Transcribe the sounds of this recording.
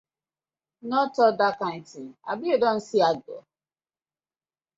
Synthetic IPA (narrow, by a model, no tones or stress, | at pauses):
nɔtɔdakan̩tia̰biedɔn̩siaɡɔ̰